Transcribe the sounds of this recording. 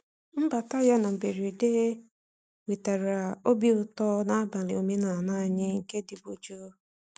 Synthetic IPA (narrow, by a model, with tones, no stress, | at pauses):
m̩˦ba˨ta˦ja˦na˨m̩˨be˨ɾi˨de˦e˦ | wi˨ta˨ɾa˨a˨o˦bi˦ʊ˨tɔ˦na˦a˦ba˨lɪ˨o˨me˦na˨na˦˨ɲɪ˦ŋ̩˨ke˦di˨bo˨d͡ʒo˦